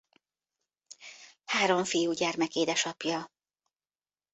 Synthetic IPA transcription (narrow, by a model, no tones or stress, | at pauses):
haːɾo̞ɱfijuːɟɛrmɛkeːd̪ɛʃɒpjɒ